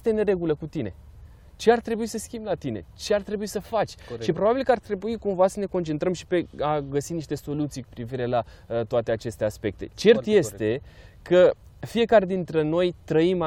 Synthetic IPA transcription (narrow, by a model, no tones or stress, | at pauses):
t̪ene̞ɾe̞ɡuləkut̪ine | t͡ʃe̞art̪ɾe̞buisəskʲimblat̪ine̞̰t͡ʃe̞art̪ɾe̞buisəfat͡ʃʲʃipɾo̞babilkəart̪ɾe̞buikumvasəne̞ko̞nt͡ʃe̞nt̪ɾəmʃi̥pe̞aɡəsiniʃt̪e̞so̞lut̪sijkupɾiviɾe̞lat̪oat̪e̞at͡ʃe̞st̪e̞aspe̞k̚t̪e̞̰t͡ʃe̞rt̪je̞st̪e̞kʰə | fije̞kaɾe̞d̪int̪ɾeno̞jt̪ɾəima